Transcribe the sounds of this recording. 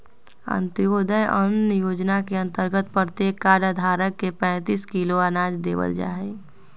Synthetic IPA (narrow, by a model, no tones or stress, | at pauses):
ə̰̃nt̪joːd̪əjənjoːd͡ʒnakeə̃nt̪əɾɡət̪pət̪eːkːaːɖad̪ʱaːɾəkːepɛ̃ːt̪iːskiloanaːd͡ʒd̪ḛːʋə̰ld͡ʒa̰ːe